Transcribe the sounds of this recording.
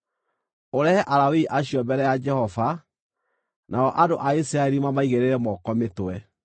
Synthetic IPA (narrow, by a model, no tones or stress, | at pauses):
oɾɛhɛʔaɾawiʔaɕiɔmbɛɾɛjad͡ʒɛhɔva | nʔaɔʔadoʔaisiɾaeɾimamaiɣeɾeɾɛmɔkɔmetwɛ